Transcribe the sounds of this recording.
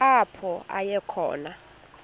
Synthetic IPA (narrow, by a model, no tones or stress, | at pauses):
apʰɔa̰jɛkʰɔ̰ːna